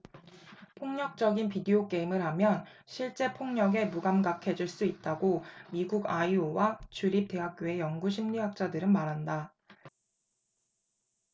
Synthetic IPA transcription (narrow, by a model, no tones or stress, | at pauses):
pʰoŋɲʌk̚t͡ɕ͈ʌɡinpideok͈e̞imɯɭɦamjʌn | ɕʰiɭt͡ɕ͈e̞pʰoŋɲʌɡe̞muɡamɡakʰe̞d͡ʑiɭs͈uit̚t͈aɡomiɡuɡaiowat͡ɕuɾip̚t͈e̞ɦak̚k͈joe̞jʌŋɡuɕʰimɲiwak̚t͡ɕ͈adɯɾɯnmaɾɦanda